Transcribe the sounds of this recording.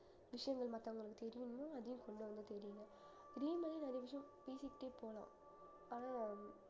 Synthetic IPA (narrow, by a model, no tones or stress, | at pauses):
ʋɪʂɐjɐŋɡɐɭmɐt̪ːɐ̃ʊŋɡɐɭɯkːɯt̪ɛɾɪʋɪnɯmːoːɐðɯjʊ̃kɔɳɖɯʋɐnd̪ɯt̪ɛɾɪjɯŋɡɐ | ɾiːmɐːninɐɾɐjɐʋɪʂɐjɐ̃piːsɪʈːeːpoːlã̰ː | aːnaː